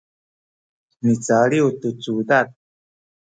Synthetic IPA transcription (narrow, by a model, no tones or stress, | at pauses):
nit͡saliwt̪ut͡suːt̪at̪̚